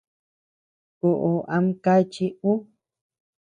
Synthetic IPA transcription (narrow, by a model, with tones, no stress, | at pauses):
ku˨ʔo˨ʔa˧˦mka˦t͡ʃi˦u˦